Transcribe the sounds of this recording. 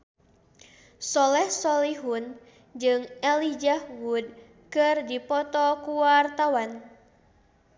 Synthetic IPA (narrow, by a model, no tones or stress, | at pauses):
sɔlɛhsɔliɦun | d͡ʒɨŋɛlid͡ʒahwud̚ | kɨrdipɔt̪ɔkuwart̪awan